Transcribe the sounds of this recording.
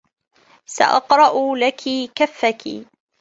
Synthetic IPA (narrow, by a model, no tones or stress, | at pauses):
sa̰ʔɑqɾˤɑʔlakʰikafːakḭ